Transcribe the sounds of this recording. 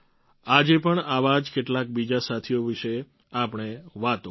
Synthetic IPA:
ad͡ʒepəɳaʋad͡ʒkeʈlak̚bid͡ʒasat̪ʰijoʋiʃe | apɳ̃eʋat̪o

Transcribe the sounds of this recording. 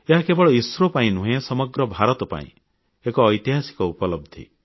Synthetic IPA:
eɦakebɔɭɔiswɾopaĩnuɦẽsɔmɔɡɾɔbʱaɾɔt̪ɔpa̰ḭ̃ | ekɔːjt̪iɦasi̥kɔupɔlɔb̚d̪ʱḭ

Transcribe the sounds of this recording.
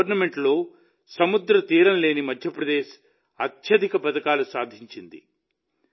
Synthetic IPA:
ɾnɐme̞ɳʈlo̞ː | sɐmud̪ɾɐt̪iːɾɐnle̞ːnimɐd̪ʱjɐpɾɐd̪e̞ːʃ | ɐt̪jɐd̪ʱikɐpɐt̪ɐkaːlusaːd̪ʱiɲt͡ʃind̪ḭ

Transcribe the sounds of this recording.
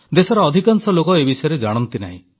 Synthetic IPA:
d̪esɔɾɔːd̪ʱikansɔlokɔebisɔjɔɾed͡ʒaɽ̃ɔnt̪ina̰ɦḭ̃

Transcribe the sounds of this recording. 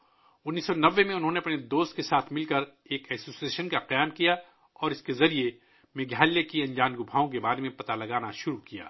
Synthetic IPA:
ʊnːiːsːɔnɐʋːemẽʊnɦõːneɐpned̪oːst̪kesaːt̪ʰmɪlkɐɾ | eːkɛːsoːsieːʃənkaqɐjaːmkija | ɔːɾɪskezɐɾie | meɡjaːljekiɐ̃ɲd͡ʒaːnɡʊbʱaːõk̬ebaːɾemẽpɐt̪alɐɡaːnaʃʊɾukija̰ː

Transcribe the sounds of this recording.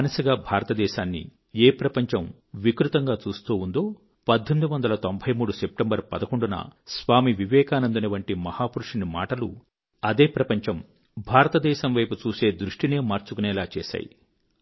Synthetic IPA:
nɐsɐɡaːbʱaːɾɐt̪ɐd̪ɛːʃaːnːḭ | eːpɾɐpɐɲt͡ʃɐm | ʋikɾut̪ɐŋɡaːt͡ʃuːst̪uːund̪o̞ː | pɐd̪ʱːɐmd̪uʋɐnd̪ɐlɐt̪o̞mbʱɐjmuːɽusep̚ʈembɐɾpɐd̪ɐko̞ɳɖunɐ̰sʋaːmiʋiʋɛːkaːnɐnd̪unɐʋɐɳʈimɐhaːpuɾuʂinima̰ːʈɐlu | ɐd̪eːpɾɐpɐɲt͡ʃɐm | bʱaːɾɐt̪ɐd̪ɛːʃɐmʋɐjput͡ʃuːse̞ːd̪ɾuʂʈine̞ːmaːɾt͡ʃukunɛːlaːt͡ʃɛːʃa̰ːjḭ

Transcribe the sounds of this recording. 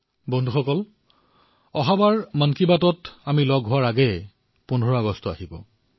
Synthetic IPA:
bɔndʱuxɔkɔl | ɔɦabaɹmənkibatɔtamilɔɡʱɦʊwaɹaɡɛ | pʊndʱɔɹɔaɡɔstɔa̰ɦibɔ̰

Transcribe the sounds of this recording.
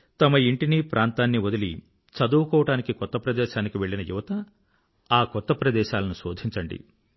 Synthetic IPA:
t̪ɐmɐiɳʈinipɾʔaːnt̪aːnːiʋod̪ɐli | t͡ʃɐd̪uːkɔːʋɐʈaːnikikɔt̪ːɐpɾɐd̪ɛːʃaːnikiʋe̞ɭːinɐjṵʋɐt̪ɐ | aːkɔt̪ːɐpɾɐd̪ɛːʃaːlɐnuso̞ːd̪ʱiɲt͡ʃɐɳɖḭ

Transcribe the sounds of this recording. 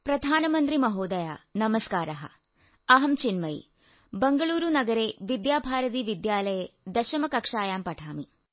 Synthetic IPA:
pɾɐd̪ʱaːnɐmɐnt̪ɾimɐɦoːd̪ɐjaːnɐmɐskaːɾɐɦɐ̰ | ɐɦɐmt͡ʃinmɐj̰ | bɐŋɡɐɭuːɾunɐɡɐɾeːʋid̪jaːbʱaːɾɐt̪iːʋid̪jaːlɐjed̪ɐʃɐmɐkɐkʂaːjaːmpɐʈʰaːmi

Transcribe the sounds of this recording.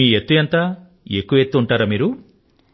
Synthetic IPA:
iːet̪ːujɐnt̪aː | e̞kːuʋɐe̞t̪ːuuɳʈaːɾɐmiːɾu

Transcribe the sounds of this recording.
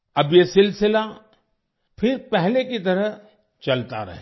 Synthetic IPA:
ɐbjesɪlsɪla | fʰɪɾpɛɦlekit̪ɐɾə | t͡ʃɐlt̪a̰ɾɐ̰ɦe

